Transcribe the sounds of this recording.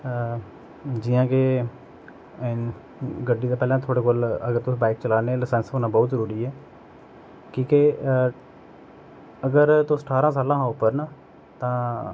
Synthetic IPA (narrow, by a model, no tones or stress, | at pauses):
d͡ʒɪjãːke | ɪn | ɡəɖːiːd̪aːpɛːlãːt̪ʰoːɽeːkoːləɡəɾt̪ʊsbaːɪk̚t͡ʃəlaːneːləsɛnsɦoːnãːbɔːt̪zəɾuːɾiːɛː | kĩːke | əɡəɾt̪ʊsʈʰaːɾãːsaːlãːʊpːəɾnaː | t̪ãː